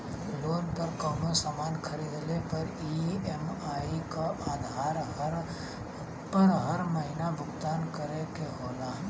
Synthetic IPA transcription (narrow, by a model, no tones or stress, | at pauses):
loːnpəɾkaːmosaːmaːnkʰəɾiːd̪lepɐɾiemaːikaʔaːd̪ʱaːɾɦəɾ | pəɾɦəɾməɦinabʱʊkt̪aːnkəɾekeɦoːlaːn